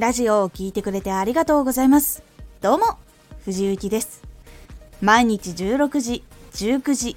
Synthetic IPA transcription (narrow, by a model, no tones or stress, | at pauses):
ɾaʑio̞ːkʲiːt̪e̞kɯ̟ɾe̞t̪e̞aɾʲiɡat̪o̞ːɡo̞zaimasɨ̥d̪̥o̞ːmo̞ | ɸɯ̟ʑiɯ̟kʲid̪e̞sɨ̥ | maiɲ̟it͡ɕid͡ʑɨːɾo̞kɯ̟ʑid͡ʑɨːkɯ̟ʑi